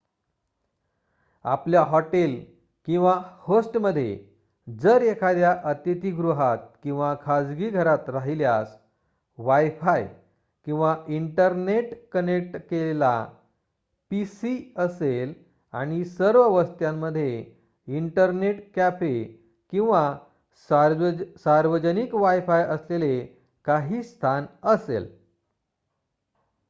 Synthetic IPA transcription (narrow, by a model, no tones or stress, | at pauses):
a̰pljaɦɔʈel | kĩw̃ʋahosʈməd̪ʱːjḛ | d͡zəɾekʰad̪jaʔət̪it̪iɡɾuɦat̪̚kĩw̃ʋakʰad͡zɡiːɡʱəɾat̪ɾaɦiljas | ʋajfaj | kĩw̃ʋaʔiɳʈəɾneʈkənek̚ʈkelela̰ | pisiəsel | a̰ɽ̃isəɾʋəʋəst̪jãmːəd̪ʱːje | iɳʈəɾneʈkæfe | kĩw̃ʋa | s | saɾʋəd͡ʑənikʋajfajəslele | kaɦiːst̪ʰanəsḛl